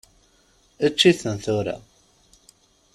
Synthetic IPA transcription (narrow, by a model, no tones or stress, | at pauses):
ət͡ʃːiθənθʊɾa̰